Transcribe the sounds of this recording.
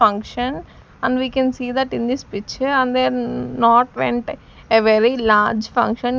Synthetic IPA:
ɐ̃ŋkʃə̃n | ə̃ɳɖʋiːkɛ̃nsiːd̪əʈĩnd̪ispɪt͡ʃə̃nd̪enɔːʈʋḛ̃ɳʈ | eʋɛɾilaːɾd͡ʒfɐ̰̃ŋkʃə̃n

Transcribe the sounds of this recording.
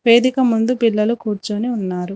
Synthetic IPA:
ʋe̞ːd̪ikɐmund̪upilːɐlukuːɾt͡ʃuːniunːaːɾu

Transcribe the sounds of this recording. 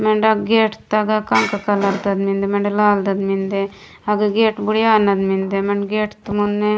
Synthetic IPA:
meɳɖɐɡɡeːʈt̪ːɐɡɐkɐŋkɐkɐlɐɾt̪ɐd̪mind̪emeɳɖelaːld̪ɐd̪mind̪e | ɐɡɐɡeːʈbuɽijaːnːɐd̪mind̪emeɳɖɡeːʈt̪ːmunːe

